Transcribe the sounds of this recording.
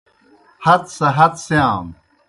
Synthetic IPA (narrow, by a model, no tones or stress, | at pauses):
hɐt̪sɐɦɐt̪sjaːm